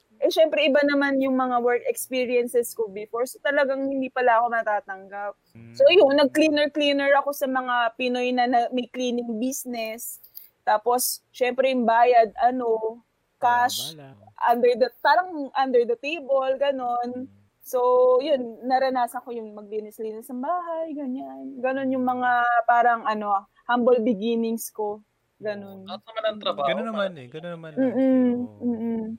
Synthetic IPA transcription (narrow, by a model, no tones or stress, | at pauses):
ʔɛʃɛmpɾɛʔɪbanɐmanjʊŋmɐŋawɛɹkɛkspiːɹijɛnsɛskobɪfoɹsot̪ɐlɐɡaŋhɪnd̪iːpɐlaʔɐko̞mɐt̪aːt̪ɐŋɡap̚sojʊŋnɐɡ̚klinɛɹkliːnɛɹɐko̞sɐmɐŋapɪno̞jnɐnɐmɐjkliːnɪŋbisnɛs | t̪aːpo̞sʃɛmpɾɛjʊŋbaːjɐd̪̚ʔɐno̞ | kaʃʔand̪ɛɹd̪ɐpaːɾɐŋʔand̪ɛɹd̪ɐt̪ejbolɡɐno̞n | so̞jʊnːɐɾɐnaːsɐŋko̞jʊŋmɐɡ̚linɪsliːnɪsnɐmbaːɦɐjɡɐɲanɡɐno̞njʊŋmɐŋapaːɾɐŋɐno̞ | hambolbɪɡiːnɪŋsko̞ | ɡɐno̞nɐmɐnɐŋt̪ɾɐbaːɡɐnonɐanɡɐonɐmam̩ːʔ̩m̩ːʔ̩